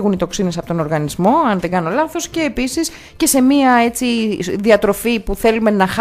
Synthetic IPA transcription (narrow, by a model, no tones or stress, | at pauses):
ɣunit̪o̞ksine̞sɐpo̞t̪o̞no̞ɾɣɐnizmo̞ɐnðe̞ɡɐno̞lɐθo̞sce̞ːpisis | ce̞se̞miɐe̞t͡siðiɐt̪ɾo̞fipuθe̞lume̞nɐx